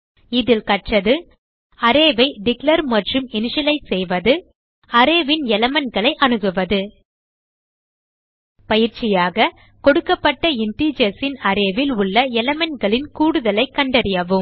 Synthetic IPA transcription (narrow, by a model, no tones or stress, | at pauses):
ɪðɪlkɐʈrɐðɯ | ɐɾeːʋɐɪɖɪklɐɾmɐʈrɯmɪnɪʂɐlɐɪsɛjʋɐðɯ | ɐɾeːʋɪnɛlɐmɐnɡɐɭɐɪʔɐnɯɣɯʋɐðɯ | pɐjɪɾt͡ʃɪjaːɣɐ | kɔɽɯkːɐpːɐʈːɐɪnʈiːd͡ʒɐsɪnɐɾeːʋɪlʊɭːɐɛlɐmɐnɡɐɭɪnkuːɽɯðɐlɐɪkːɐɳɖɐɾɪjɐʋɯm